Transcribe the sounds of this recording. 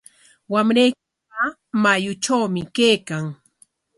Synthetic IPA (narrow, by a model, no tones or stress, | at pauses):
wamɾajkɪ | a | majʊt͡ʃawmɪkejkaŋ